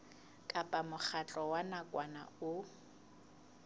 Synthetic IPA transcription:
kʼapʼamʊk͡xʰat͡ɬʼɔwanakʼwana̰ʊ

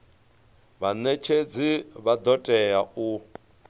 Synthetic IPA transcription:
βanet͡ʃʰed͡ziβad̪ɔtʼɛjau

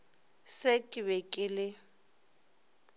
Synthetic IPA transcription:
sekʼɪbɛkʼɪlɪ

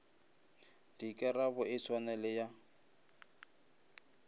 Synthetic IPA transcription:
dikʼɛrabʊʔɪt͡sʰwanɛlɪja

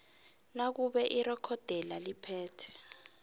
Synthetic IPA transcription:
nak̬uɓɛʔirɛkʰɔd̥ʱɛlalipʰɛːtʰɛ̥

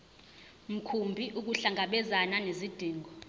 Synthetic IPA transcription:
m̩kʰumbʱiʔuk̬uɬaŋʱaɓɛzananezid̥ʱiːŋʱɔ

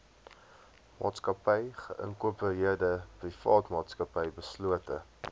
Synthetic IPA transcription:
mɑ̰ːtskɐpɛjχə̰ʔə̰ŋkuəpəɾiərdəprifɑ̰ːtmɑːtskɐpɛjbəsluətə

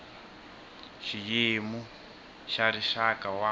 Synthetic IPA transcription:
ʃijemu | ʃaɾiʃakawa

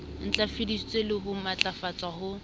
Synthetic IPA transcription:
n̩t͡ɬʼafidist͡sʼelɪɦʊmat͡ɬʼafat͡sʼahʊ

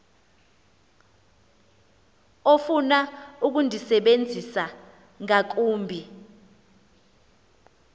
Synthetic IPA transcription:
ofunauk̬undʱisɛɓend͡zʱisa | ŋak̬uːmbʱi

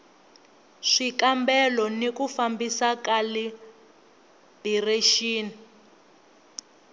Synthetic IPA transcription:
ʂikambɛlɔnekufambisakali | bireʃiːni

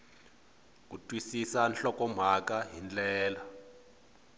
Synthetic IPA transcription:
k̬utʼwisisanɬɔkɔm̤akaɦind͡ɮɛːla

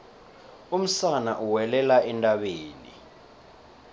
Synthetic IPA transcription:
um̩sanaʔuwɛlɛlaɛntʼaɓeːnḭ

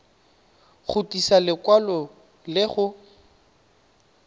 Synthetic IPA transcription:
χʊtisalɪkwalɔ | lɪχʊ

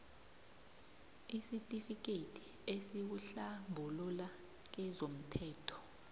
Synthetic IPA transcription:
isitʼifik̬ʼetʰʼi̥esik̬uɬambʱulula | k̬ɛzom̩tʰɛːtʰɔ̥

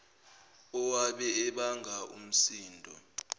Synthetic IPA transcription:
ɔwaɓɛɛɓaŋʱaṵm̩siːndʱɔ̰

